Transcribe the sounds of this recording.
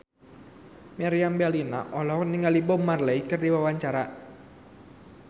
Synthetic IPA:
maɾiambɛlina̰ʔɔlɔniŋalibɔmarleikɨrdiwawaɲt͡ʃaɾa

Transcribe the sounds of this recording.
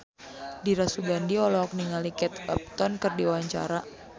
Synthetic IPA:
diɾasuɡandiɔlɔɔk̚niŋalikɛt̪̚ka̰p̚t̪ɔnkɨrdiwawaɲt͡ʃa̰ɾa

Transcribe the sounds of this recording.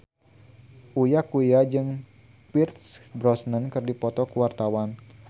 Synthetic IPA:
ʔujakujad͡ʒɨŋ | pirt̪sbɾɔsnənkɨrdipɔt̪ɔkuwart̪awan

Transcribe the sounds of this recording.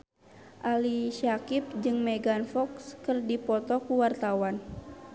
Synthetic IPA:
ʔaliʃakip̚d͡ʒɨŋmɛɡanfɔkskɨrdipɔt̪ɔkuwart̪awan

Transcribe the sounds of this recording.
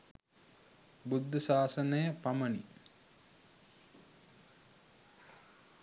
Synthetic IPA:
bud̪ʱːəsaːsənəjəpamənḭ

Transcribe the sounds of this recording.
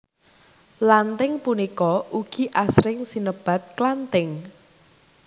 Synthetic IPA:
lant̪ɪŋpunikɔuɡ̥i̤ʔasɾɪŋsinəb̥a̤t̪̚klant̪ɪŋ

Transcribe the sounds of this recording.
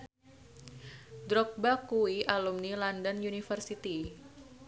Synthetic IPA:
dɾɔk̚bakuwiʔalumnilɔndɔnjunifərsit̪i

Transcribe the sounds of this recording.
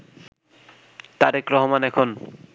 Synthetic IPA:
t̪aɾekɾɔɦomanɛkʰon

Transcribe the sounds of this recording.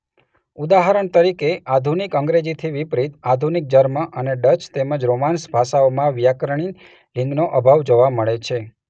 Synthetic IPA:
ud̪aɦaɾəɳt̪əɾikeʔad̪ʱunikəŋɡɾed͡ʒit̪ʰiʋipɾit̪ad̪ʱunik̚d͡ʒəɾməʔəneɖət͡ʃt̪eməd͡ʒɾomansbʱaʃaomãʋjakɾɳ̃i | lɪ̃ŋɡnoʔəbʱaʋd͡ʒoʋaməɭet͡ʃʰe

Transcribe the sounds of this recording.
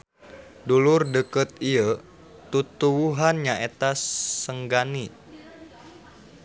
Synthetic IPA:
dulurdəkət̪̚iə | t̪ut̪uwuɦanɲaet̪asːəŋɡani

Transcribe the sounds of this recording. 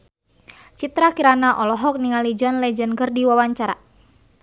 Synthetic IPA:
t͡ʃit̪ɾakiɾanaʔɔlɔɦɔk̚niŋalid͡ʒɔnlɛd͡ʒənkərdiwawaɲt͡ʃaɾa̰

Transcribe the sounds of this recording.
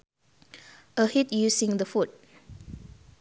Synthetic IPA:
ʔəhit̚jusĩŋdəfut̚

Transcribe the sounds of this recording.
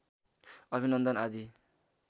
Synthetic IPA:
ʌbʱinʌnd̪ʌnad̪i

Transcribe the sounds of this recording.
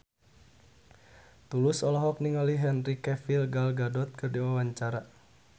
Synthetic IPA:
t̪ulʊsɔlɔɦɔk̚niŋɔliɦɛnrikɛfilɡalɡadɔt̪̚kɨrdiwawaɲt͡ʃaɾa

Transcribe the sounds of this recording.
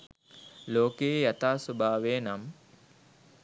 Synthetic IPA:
loːkejjat̪aːsobʱaːʋejnam

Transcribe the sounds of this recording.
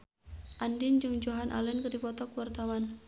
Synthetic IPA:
ʔandind͡ʒɨŋd͡ʒoɦanʔa̰lɛnkɨrdipɔt̪ɔkuwart̪awan

